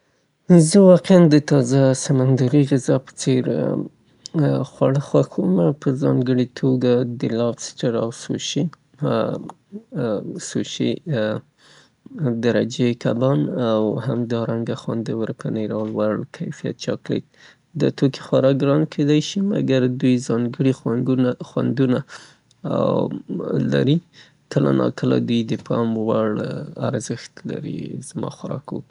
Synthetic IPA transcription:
zəwɑqeand̪ət̪ɑzasamand̪aɾiɣɪzɑpə̥t͡seɾ | xwaɽəxwaxumapəzɑŋɡəɽit̪ʰoɡad̪əlɑfsʈaɾa̰wso̰ʃi | soʃi | d̪aɾad͡ʒekʰabɑnawhamd̪ɑɾaŋɡaxwand̪əwəɾpəneɾɑlwaɽkʰajfija̰t̪̚t͡ʃɑklḛk̚ | d̪ət̪oki̥xwaɾɑkɡɾɑnkʰed̪ajʃimaɡaɾd̪ujzɑŋɡəɽixwanɡ̪unaxwa̰nd̪una | a̰wla̰ɾi | kəla̰nɑ̰kəla̰d̪ujd̪əpʰɑmwaɽaɾzəxt̪laɾḭz̥mɑ̰xaɾɑkok

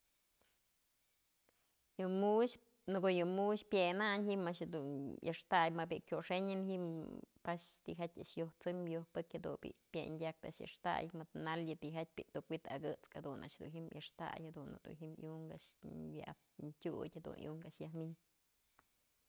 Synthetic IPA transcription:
jɨmuʃ | nɨɡojɨmuʃpjenaɲɦimaʔʃ̬d̪unjʔɨ̰ʂt̪ajmabikʲjoʂeɲɨnɦiʔmpaʃt̪iɦet̪ʲaʔʂjoht͡sɨmjohpɨkʲhad̪ṵbḭʔpʲjḛndʲak̚t̪a̰ʔʃjɨ̰ʂt̪a̰jmɨd̪naljɨt̪iɦet̪̚ʲpiʔt̪ukwit̪aɡɨt͡skhad̪una̰ʔʃhd̪uɦimjɨʂt̪a̰jhad̪un̰d̪ṵnɦimjuŋka̰ʔʂja̰ʔa | ntʲutʲhad̪ṵnjṵŋkaʔʂjahmiɲ

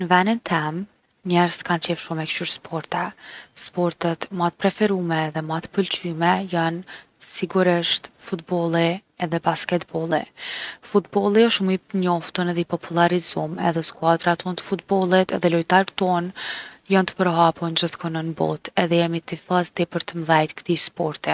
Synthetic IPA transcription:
nəvɛnint̪ʰɛm | ɲɛɾz̥kant͡ɕɛfʃumɛkʃyɾspʰɔɾt̪ɛspɔɾt̪ət̪mat̪̚pɾɛfɛɾumɛðɛmat̪ə̥pəlt͡ɕymɛjansiɡuɾiʃt̪fut̪̚bɔlˠiɛðɛbaskɛt̪bɔlˠḭfut̪bɔlˠiɔʃumiɲɔft̪ənɛðɛipɔpʰulˠaɾizumɛ̰ðɛskuad̪ɾat̪ɔnt̪ə̥fut̪bɔlˠit̪ɛðɛlɔjt̪aɾt̪ɔnjant̪ə̥pəɾɦapund͡ʑəθkɔnənbɔ̰t̪ɛðɛjɛmit̪ifazt̪ipəɾt̪əmlajt̪kt̪ispɔɾt̪i

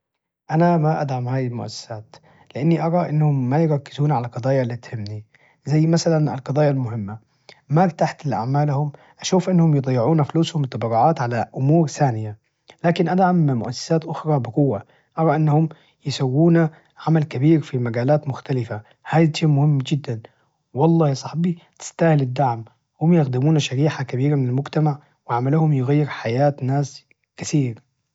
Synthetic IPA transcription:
ʔanamaʔad̪ʕamhaːjɪlmʊʔa̰sːḁsaːt̪ | lɪʔanːiʔɑɾˤɑʔɪnːhʊmːajɪɾˤɑkːɪzuːnʕalaqɑd̪ˤɑːjalːiːt̪hɪmːni | zajːmasalana̰lqɑd̪ˤɑːjalmʊhɪmːa | makt̪aħt̪ɪlʔa̰ʕmaːlhʊm | ʔaʃuːfʔɪnːhʊmjɨd̪ˤɑjːɪʕuːnafluːshʊmt̪ˤːɑbɑɾʊʕaːt̪ʕalaʔʊmuːɾθaːnɪja | laːkɪnʔad̪ʕammʊʔasːḁsaːt̪ʔʊxɾˤɑbɪqʊwːa | ʔɑɾˤɑʔɪnːahʊm | jɪsawːuːna | ʕamalkabiːɾfimaɡaːlaːt̪mʊxt̪alɪfa | haːjt̪ʃeːmʊhɪmːd͡ʒɪd̪ːan | wɑlˤːɑːhjɑsˤɑħbit̪ɪ̥st̪aːhɪlɪd̪ːaʕm | hʊmjɪxd̪ɪmuːnaʃaɾiːħakabiːɾamɪnalmʊɡt̪amaʕ | wɪʕamaluːhʊmjɪɣajːɪɾħajaːt̪naːs | kɪθiːɾ

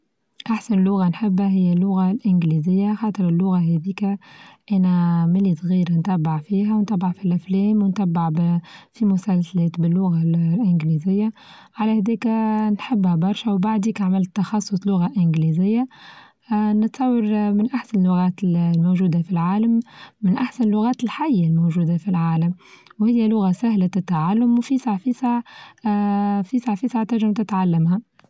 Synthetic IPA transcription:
ʔaħsanɪlːʊɣanħɪbːhæɦɪjːælːʊɣalʔɪnɡlizɪjːaxɑːt̪ˤɨɾɪlːʊɣaɦɛd̪iːkæʔænæmɪlisˤɣiːɾant̪æbːɪʕfiːɦæwnt̪æbːaʕfilʔæflɛːmwnt̪æbːaʕbfimʊsælsalɛːt̪bɪlːʊɣalʔɪnɡlizɪjːa | ʕalæhæd̪ɛːknħɪbːhæbɑɾˤʃawbaʕd̪iːkaʕmɪlt̪ːɑxɑsˤːʊsˤlʊɣaʔɪnɡlizɪjːa | nɪt̪sˤɑwːɑɾmɪnʔaħsanɪlːʊɣæːt̪lmoʒuːd̪afilʕaːlamːɪnʔaħsanəlːʊɣaːt̪ɪlħajːalmowʒuːd̪afilʕaːlamwhɪjːælʊɣasæhlat̪ɪt̪ːaʕalːʊmwfisaʕfisaʕ | fisaʕfisaʕt̪aɾʒɪmt̪ɪt̪ʕalːamha

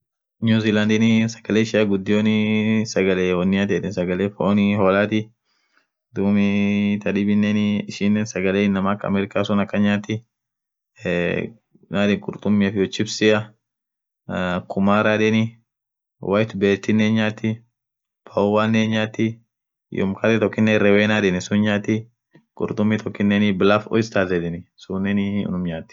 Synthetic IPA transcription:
nuːziːland̪ɪnɪsɐ̥ɡ̥ɐleːʃɪɐɡʊd̪ːɪjoːnɪsɐɡɐlewɔnːɪjaːt̪ɛt̪ɪnsɐɡɐleːfɔʔonɪhoːlaːt̪ɪ | d̪uːmɪt̪ɐdɪbɪnːenɪɪʃɪnːeːnsɐɡɐleːɪnːɐmaːkːɐ̰mɛːɾɪkaːsɔnɐkːɐɲaːt̪ːɪ | naːd̪ɪŋkʼʊɾt̪ʼʊmːɪɐfɪjɔt͡ʃːɪbsɪʔɐ | kʰʊmaːɾaᶑ̪ɛnɪ | wʔɐjt̪beːt̪ːɪnːenɲaːt̪ːɪ | pʰɐwaːnːeːnɲaːt̪ːɪ | jɔ̰mkʰɐɾɛt̪ɔkːɪnːɛɾɛweːnaːd̪ɪnɪsʊnɲaːt̪ːɪ | kʼʊ̰ɾt̪ʼʊmːit̪ʰɔkːɪnːɛnɪbɪlɐfɔ̰jɪst̪aːzɛd̪ɪnɪsʊnːɛnɪ̰nʊmɲaːt̪ːɪ̥

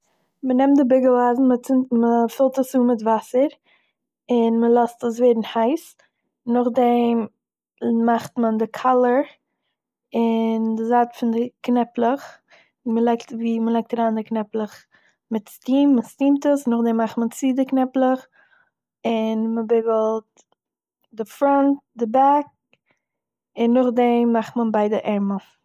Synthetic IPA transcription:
mənɛmtdɪbɪɡəl̩ˠaːzn̩mət͡sɪməfɪlˠtəsuːmɪtvasəɾ | ɪnməlˠɔstəsveːdn̩haɪs | nʊχdɛm | maχtməndɪkʰalˠəɾ | ɪndɪzaːtfɪndɪknɛplˠəχ | məlˠaɪktviːməlˠaɪk̚taɾaːndɪknɛplˠəχ | mɪtstiːmːəstiːmtəsnʊχdɛmːaχtmənt͡sidɪknɛplˠəχ | ɪnməbɪɡl̩ˠt̚ | dɪfɾɔnt̚dɪbak̚ | ɪnːʊχdɛmːaχtmənbaɪdəʔɛmə

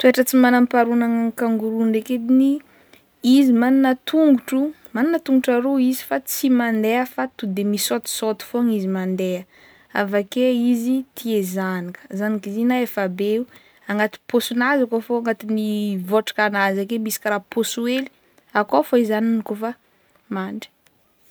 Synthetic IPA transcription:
t̪ueʈ͡ʂət͡simanampaɾunaŋaŋkaŋɡuɾunɾeked̪ini | izimaninat̪ʰuŋɡuʈ͡ʂu | maninat̪uŋɡuʈ͡ʂaɾoizi̥fat͡simand̪eəfat̪ud̪emisot̪i̥sot̪i̥foaŋizimand̪eə | a̰vakeizit̪ʰiezanikə̥zanikizinaefabeu | aŋɡat̪i̥pʰosunazakofoaŋɡat̪inivoʈ͡ʂḁkanazakemisi̥kɾapʰosueli̥ | akofoizaninikofa | maɳɖ͡ʐi̥

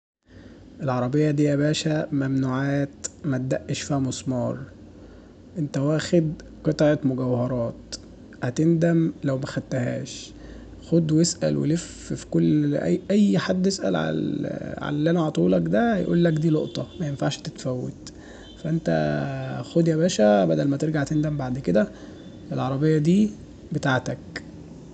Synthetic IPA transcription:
ʔelʕɑɾˤɑbejːɑd̪iːʔæbæːʃæmæmnuːʕaːt̪mæt̪̚d̪æʔːeʃfiːhæmosˤmɑːɾˤ | ʔent̪æhowæxed̪ | qet̪ˤɑʕet̪moɡæwhɑɾˤɑːt̪ | hæt̪end̪æmlæwmæxæd̪ːæhæ̰ːʃ | xod̪wjesʔæ̰lwḛlef | fi̥kolːʔæ̰ʔæjːħad̪ːesʔæ̰lʕa̰ʕa̰læliʔænæʕɑt̪ˤuːlɑkd̪æhæjʔṵːlːækd̪iːlo̰ʔt̪ˤɑmæjenfaʕʃt̪et̪fæwːḛt̪ | fæʔent̪æ̰xod̪jæbæːʃæbæd̪ælmæt̪eɾɡaʕt̪end̪æmbaʕd̪ked̪æ | ʔelʕɑɾˤɑbejːɑd̪iː | bet̪aʕt̪æk

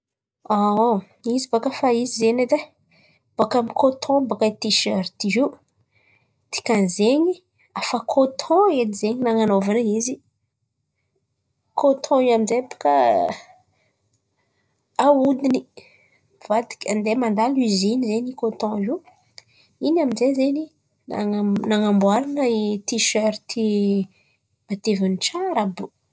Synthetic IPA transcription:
a | izibakafaizizened̪e | b̥akamikʰot̪ʰɔ̃bakat̪iʃøɾt̪ii | t̪i̥kʲãnzeɲi | afakʰot̪ʰɔ̃et̪izeɲinaŋanovanəizi | kʰot̪ʰɔ̃iaminzejapḁka | aud̪ini | vat̪i̥kʲand̪emand̪alizinizenikot̪ɔ̃i | inaminzezeni | anaŋambwaɾanəit̪iʃøɾt̪i | mat̪evanit͡ʃaɾabu

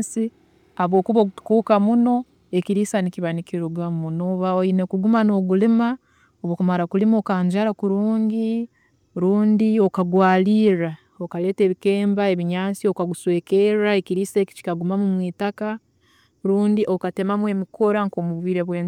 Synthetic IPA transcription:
si | aβo̞ːkuβou̥kukamuno̞ | e̞kiɾiːsanikiβanikiɾuɡwamunoβaoinekuɡumano̞ɡulima | oβokumaɾakulimo̞kaːɲd͡ʒaɾakuɾuːŋɡi | ɾuːndio̞kaɡwaːliːɾa | okale̞ːte̞ːβike̞ːmbae̞βiɲaːnsio̞kaɡuswe̞ːke̞ɾaekiɾiːse̞ːki̥ci̥kaɡumamumwiːtaka | ɾuːndiʔo̞kate̞mamwe̞mikʰo̞ɾaŋkoːmuβwiːɾeβweːn

